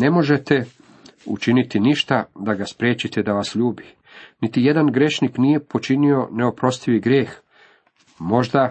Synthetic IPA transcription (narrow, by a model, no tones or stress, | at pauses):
ne̞mo̞ʒe̞t̪e̞ | ṵt͡ʃinit̪iniʃt̪ad̪aɡaspɾje̞ːt͡ɕit̪e̞d̪aʋasʎuːbi | nit̪ije̞d̪anɡɾe̞ʃniknije̞po̞t͡ʃinio̞ne̞o̞pɾost̪iʋiɡɾjeːx | mo̞ʒd̪a